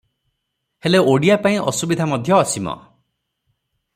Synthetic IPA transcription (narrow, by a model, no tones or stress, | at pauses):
heleoɽijapaĩʔɔsubid̪ʱamɔd̪ʱjɔːsimɔ̰